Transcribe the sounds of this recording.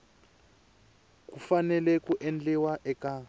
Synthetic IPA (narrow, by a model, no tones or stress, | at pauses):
kufanɛlɛkuʔɛnd͡ɮɛwaʔɛka